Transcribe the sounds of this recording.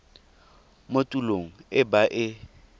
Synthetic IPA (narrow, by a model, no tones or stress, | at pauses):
motʼuloŋ̩ɪbaʔɪ